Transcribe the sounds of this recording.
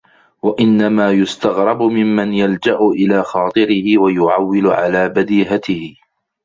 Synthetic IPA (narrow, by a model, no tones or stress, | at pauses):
waʔɪnːamaːjʊst̪aɣɾˤɑbʊmɪmːanjald͡ʒaʔʊʔɪlaːxɑːt̪ˤɨɾɪhɪwajʊʕawːɪlʊʕa̰laːbad̪iːɦat̪ɪhɪ